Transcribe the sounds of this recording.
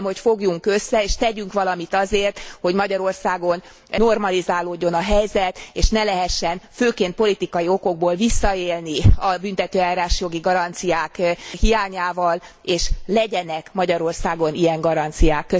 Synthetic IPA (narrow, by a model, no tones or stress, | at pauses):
mho̞cfo̞ɡjuŋkø̞sːɛeːʃt̪ɛɟyŋkʋɒlɒmit̪ɒzeːrt̪ho̞ɟmɒɟɒɾo̞rsaːɡo̞n | no̞rmɒlizaːloːɟːo̞nɒɦɛjzɛt̪eːʃnɛlɛɦɛʃːɛnføːkeːnt̪̚po̞lit̪ikɒjio̞ko̞ɡ̚boːlvisːɒeːlniɒbynt̪ɛt̪øːaːɾaːʃjo̞ɡiɡɒɾɒnt̪sijaːkhijaːɲaːvɒleːʃlɛɟɛnɛkmɒɟɒɾo̞rsaːɡo̞nijɛŋɡɒɾɒnt̪sijaːkːø